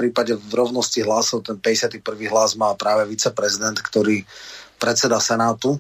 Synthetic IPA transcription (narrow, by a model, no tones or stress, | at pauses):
pɾiːpaɟɛvɾɔʊnɔsciɦlasɔʊt̪ɛnpɛɟɛsɪat̪ipr̩ʋiːɦlaːzmaːlpɾaːʋɛʋit͡sɛpɾɛzid̪ɛnt̪kt̪ɔɾiːpɾɛt͡sɛd̪asɛnaːt̪u